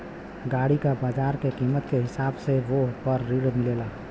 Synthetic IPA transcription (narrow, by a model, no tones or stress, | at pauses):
ɡaɽikabaːd͡ʒaːɾkekimət̪keɦɪsaːbseʋopəɾːiɽmɪlela